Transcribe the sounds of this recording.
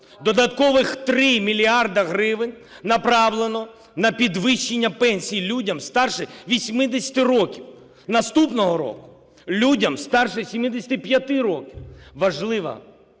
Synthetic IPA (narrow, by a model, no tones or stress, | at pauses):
d̪ɔd̪ɐt̪kɔʋɪxt̪ɾɪmʲilʲiɑrd̪ɐɦɾɪʋɪnʲ | nɐpɾɑʋlˠenɔ | nɐpʲid̪ʋɪʃːenʲːɐpɛnʲsʲijilʲudʲɐmst̪ɑrʃɪʋʲisʲmɪd̪esʲɐ̥t̪ɪɾɔkʲiw | nɐst̪upnɔɦɔɾɔ̰kʊ̥ | lʲudʲɐmst̪ɑrʃɛsʲimɪd̪esʲɐt̪ɪpjɐt̪ɪɾɔkʲiwʋɐʒlˠɪʋɐ̰